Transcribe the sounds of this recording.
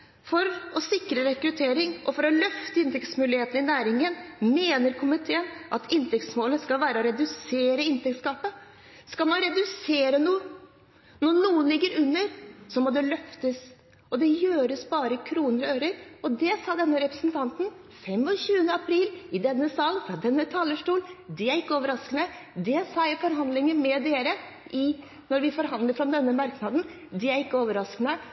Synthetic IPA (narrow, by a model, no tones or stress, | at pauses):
fɔɾɔsɪkɾəɾɛkɾʉt̪ʰeːɾɪŋʔɔfɔɾɔlœft̪əɪnt̪ʰɛkt̪smʉːlɪheːt̪ən̩ɪnæːɾɪŋənmeːnəɾkʰʊmɪt̪ʰeːənʔɑt̪ʰɪnt̪ʰɛkt̪smoːlət̪skɑlʋæːɾəɔɾɛd̪ʉseːɾəɪnt̪ʰɛkt̪skɑːpə | skɑlmɑnɾɛd̪ʉseːɾənuːə | nɔnuːənlɪɡːəɾʉnːəɾsɔmɔd̪ɛlœft̪əs | ɔd̪ɛjøːɾəsbɑːɾəkʰɾuːnəɾøːɾəɾɔd̪ɛsɑːd̪ɛnːəɾɛpɾəsnt̪ʰɑnt̪n | fɛmːɔɕʉːənəɑpʰɾiːlɪd̪ɛnːəsɑlːfɾɑd̪ɛnːət̪ʰɑːləʂʈuːld̪ɪæɾɪkːəoːʋəɾɑskənəd̪ɛsɑːjæɪfɔɾɦɑnd̪lɪŋənmɛd̪eːɾə | ʔɪ | nɔɾʋɪfɔɾɦɑnd̪ləfɾɔmd̪ɛnːəmɑɾknɑd̪n̩ | d̪ɪæɾɪkːəoːʋəɾɑsknə